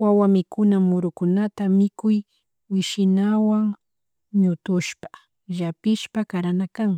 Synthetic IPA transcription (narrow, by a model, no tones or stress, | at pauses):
wawamɪkʊnamʊɾʊkʊnat̪amɪkʊj | wɪʃɪnawaŋ | ɲʊt̪ʊʃpḁ | ʒapɪʃpakaɾanakaŋ